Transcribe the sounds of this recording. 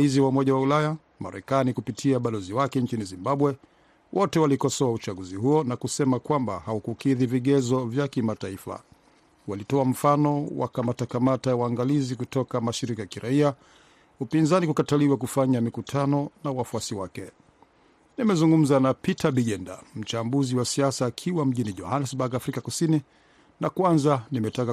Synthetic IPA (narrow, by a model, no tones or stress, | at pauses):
iziwaumɔʄawaulaja | ma̰ɾɛkanikupitʰiaɓalɔziwakɛnt͡ʃinizimbaɓwɛ | wʔɔtɛwalikɔsɔaut͡ʃaɠuzihuɔnakusɛmakwamba̰haukukiðiviɠɛzɔvjakimataifa̰ | walitɔam̩fanɔwa̰kamatakamatajawaŋɡalizikutɔkamaʃiɾikajakiɾaia | upinzanikukataliwak̬ufaɲamikutʰanɔnawafuasiwakɛ | nimɛzuŋɡum̩zanapitaɓiʄɛnda̰m̩t͡ʃambuziwasiasaːkʰiwam̩ʄiniʄɔ̰hanɛsbaɡaːfɾikakusini | nakwanzanimɛtaka